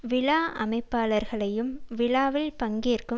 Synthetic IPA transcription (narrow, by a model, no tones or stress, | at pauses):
ʋɪɭaːʔɐmɐɪpːaːlɐɾɣɐɭɐjɯmʋɪlaːʋɪlpɐŋɡirkɯ